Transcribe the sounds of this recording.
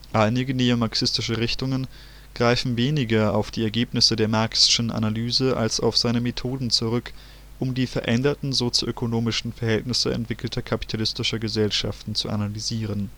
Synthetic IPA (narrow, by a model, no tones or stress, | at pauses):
ʔaɪnɪɡəneomaɐksɪstɪʃəʁɪçtʊŋən | ɡ̥ʁaɪfn̩veːnɪɡɐaʊfd̥iːɛɐɡeːpnɪsədeːɐmaɐksɪ̥ʃn̩ʔa̰nalyːzəʔa̰lsa̰ʊfz̥aɪnəmetʰoːdn̩t͡suʁʏk | ʔʊmdiːfɛɐʔɛndɐtn̩zot͡sjo̰ʔøkʰonoːmɪʃn̩fɛɐɦhɛltnɪsə̰ɛ̰ntv̥ɪkl̩tʰɐkʰapi̥tʰalɪstɪʃɐɡəzɛlʃa̰ftn̩t͡sṵʔa̰nalyziːʁ̞ən